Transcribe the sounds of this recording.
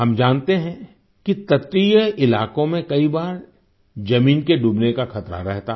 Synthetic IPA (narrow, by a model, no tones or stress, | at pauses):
ɦɐmd͡ʒaːnt̪eɦɛ̃ | kit̪ɐt̪ijəɪlaːkõmẽkɐibaːɾ | d͡ʒɐmiːnkeɖuːbnekaxɐt̪ɾa̰ɾɛɦt̪a